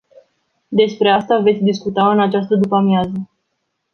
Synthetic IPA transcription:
d̪e̞spɾe̞ast̪ave̞t̪sʲd̪iskut̪aɨnat͡ʃast̪əd̪upamjazə

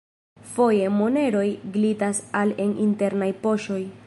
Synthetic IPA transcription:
fo̞je̞mone̞ɾo̞jɡlitasalenḭnte̞ɾnajpo̞ʃo̞j

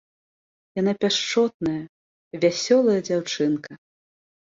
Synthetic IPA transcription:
jan̪apʲaʂt͡ʂɔt̪̚nɐjɐ | vʲasʲɔlˠɐjɐd͡zʲawt͡ʂɨnkɐ

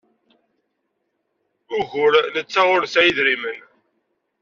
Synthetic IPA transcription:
ʊʝʊɾlət͡sːaʁʊɾsæjəðɾimən

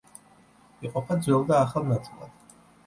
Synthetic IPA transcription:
iqʼɔpʰad̪zwɛlˠd̪aːχalˠnat̪sʼilˠa̰d̪̥

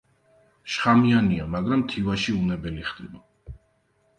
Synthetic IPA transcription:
ʃχamianiamaɡɾamt̪ʰivaʃiunɛbɛliχd̪ḭba

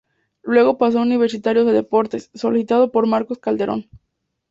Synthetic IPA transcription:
lwe̞ɣo̞pas̬ouniβ̞e̞ɾsit̪aɾjoðe̞ðepo̞ɾt̪esːo̞lisit̪að̞o̞po̞ɾmaɾko̞skald̪e̞ɾʔo̞̰n

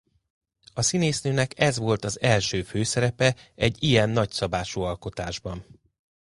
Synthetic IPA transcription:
ɒsineːsnøːnɛkɛzʋo̞lt̪ɒzɛlʃøːføːsɛɾɛpɛɛɟːijɛnːɒcsɒbaːʃuːɒlko̞t̪aːʒbɒn

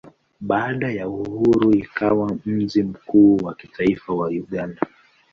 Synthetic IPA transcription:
ɓaːɗajauhuɾuikawam̩ʄim̩kuːwakitʰaifawauɠanda

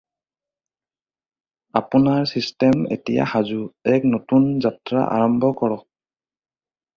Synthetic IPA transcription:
apunaɹsistɛmḛtija̰hazuɛk̚notunzatɹa̰ʔa̰ɹɔmbʱɔkɔɹɔk̚

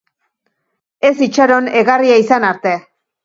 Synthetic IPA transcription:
e̞sit͡ʃaɾo̞ne̞ɣariaisanaɾt̪e̞

